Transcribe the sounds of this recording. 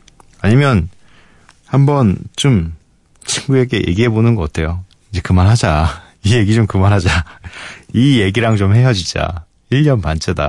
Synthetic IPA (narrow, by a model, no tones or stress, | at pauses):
aɲimjʌn | hambʌnt͡ɕom | t͡ɕʰinɡue̞ɡe̞jḛɡiɦe̞bonɯnɡʌk͈atʰe̞jo | ind͡ʑe̞kɯmaɾɦad͡ʑa | ije̞ɡid͡ʑomkɯmanɦad͡ʑa | ije̞ɡiɾaŋt͡ɕomɦe̞jʌd͡ʑid͡ʑa̰ | iʎːʌnpant͡ɕʰeda̰